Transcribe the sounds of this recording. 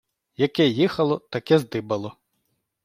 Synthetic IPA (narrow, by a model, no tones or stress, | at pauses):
jɐkɛjixɐlˠɔt̪ɐkɛzd̪ɪbɐlˠɔ